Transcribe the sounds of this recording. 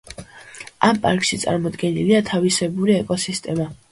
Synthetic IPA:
ampʼa̰ɾkʼʃit̪sʼa̰ɾmɔd̪ɡɛniliat̪ʰavisɛbuɾiɛkʼɔsist̪ʼɛma

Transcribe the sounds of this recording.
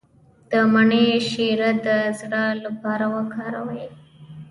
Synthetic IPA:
d̪̥əmaɳeʃiɾad̪əzɽalapɑɾawakɑɾawj

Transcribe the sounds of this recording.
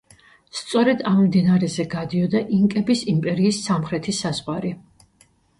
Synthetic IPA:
st̪sʼɔɾɛd̪ammd̪inaɾɛzɛɡad̪iɔd̪aʔiŋkʼɛbisimpʼɛɾiːsːamχɾɛt̪ʰisazʁwaɾi

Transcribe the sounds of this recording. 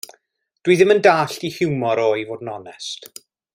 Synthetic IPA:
d̥wijðɪməndaːɬtihɪwmɔɾoːjvoːdnɔnɛst

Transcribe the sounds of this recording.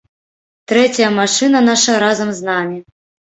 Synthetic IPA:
t̪ɾɛt͡sʲɐjɐmaʂɨnɐnaʂɐɾazɐmznamʲi

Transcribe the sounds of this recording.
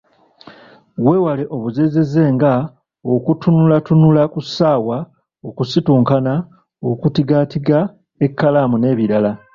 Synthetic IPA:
we̞ːwaleʔo̞βuzeze̞ze̞ːŋɡa | okutunulatunulakusaːwa | okusituːŋkana | okutiɡatiɡa | e̞kːalaːmune̞ːβiɾala

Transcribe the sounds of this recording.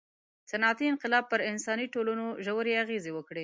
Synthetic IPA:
sanɑt̪iɪnqɪlɑb̚pəɾɪnsɑniʈolunoʒawəɾeaɣezewəkɽe

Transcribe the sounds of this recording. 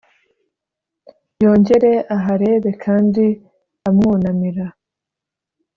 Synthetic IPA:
jo̞ːɲɟe̞ɾe̞aɦaɾe̞ːβe̞kʰaːndi | amŋuːnamiɾa

